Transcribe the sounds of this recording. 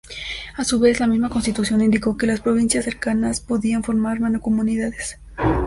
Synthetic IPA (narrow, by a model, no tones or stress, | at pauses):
asuβe̞zlamizmako̞nst̪it̪usjo̞nind̪iko̞ke̞laspɾo̞β̞insjasːe̞ɾkanaspo̞ðianfo̞ɾmaɾmanoko̞muniðaðes